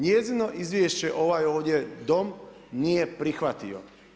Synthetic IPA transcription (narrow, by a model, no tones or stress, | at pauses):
ɲjɛzinoʔizʋʲjieʃt͡ɕɛʔoʋajoːɟɛd̪om | nijɛpɾixʋat̪io̰